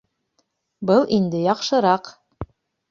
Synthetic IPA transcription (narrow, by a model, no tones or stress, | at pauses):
bɤlˠʔind̪ɘjɑqʃɤ̆ɾɑq